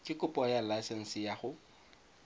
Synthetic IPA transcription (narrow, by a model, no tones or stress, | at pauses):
kʼɪkʼʊpʼɔjalaɪsɛn̩sɪjaχʊ